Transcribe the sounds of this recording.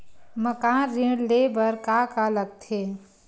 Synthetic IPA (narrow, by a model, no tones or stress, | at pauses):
məkanɾĩɽlebəɾkakaləɡ̚t̪ʰe